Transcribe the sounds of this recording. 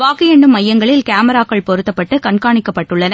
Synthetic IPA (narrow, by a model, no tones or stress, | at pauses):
ʋaːkɪjɐɳɖɯmːɐjːɐŋɡɐɭɪlkaːmɐɾaːkːɐɭpɔɾɯt̪ːɐpːɐʈːɯkɐɳkaːɳɪkːɐpːɐʈːɯɭːɐnɐ